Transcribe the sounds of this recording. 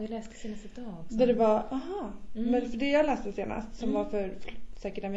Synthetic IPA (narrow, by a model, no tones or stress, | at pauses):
alɛːst̪ə̥seːnast̪d̪ɑd̪ædɛvaaɦɑːmɛnfœɖɛjaːalɛːst̪əseːna̰st̪sɔmvafœɾfsɛːkəʈamɛ